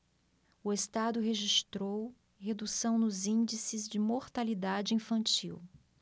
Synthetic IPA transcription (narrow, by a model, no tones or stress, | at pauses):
ʊest̪ad̪ʊɦeʒist̪ɾow | hed̪usɐ̃w̃nʊzĩnd͡ʒisɪzd͡ʒɪmoɾt̪alid̪ad͡ʒɪĩfɐ̃nt͡ʃḭw